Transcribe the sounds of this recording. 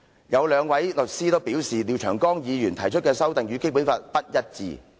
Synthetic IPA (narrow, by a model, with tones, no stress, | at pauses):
jɐ˨˧wlœː˨˧ŋwɐ˨˥jlɵ˨t̚siː˥t̪o˥wpiː˨˥wsiː˨liː˨˧wt͡ʃʰœː˨˩ŋkɔː˥ŋjiː˨˧jyː˨˩nt̪ʰɐ˨˩jt͡ʃʰɵ˥t̚kɛː˧sɐ˥wt̪ɪ˨ŋjyː˨˧ke˥jp̬u˨˥nfaː˧t̚pɐ˥t̚jɐ˥t̚t͡sḭː˨